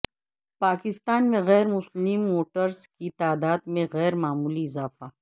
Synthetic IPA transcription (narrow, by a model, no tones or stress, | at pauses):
paːkɪst̪aːnmẽɣɛːɾmʊslɪmːoːʈəɾzkit̪aːd̪aːd̪mẽɣɛːɾmaːmuːliɪzaːfa